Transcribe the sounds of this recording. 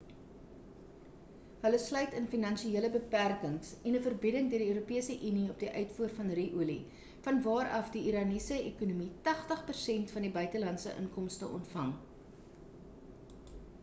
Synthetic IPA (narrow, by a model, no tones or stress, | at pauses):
ɦələslœɥtənfinɐnʃieələbəpærkəŋsɛnəfərbidəŋdøːədiøːɾupiəsəʔyniɔp̚diʔœɥtfuərfɐnriʔulḭ | fɐnvɑːɾʔɐfdiiɾɑːnisəekunumitɐχtəχpərsɛntfɐndibœɥtəlɐntsə̰ʔə̰ŋkɔmstə̰ʔɔ̰ntfɐŋ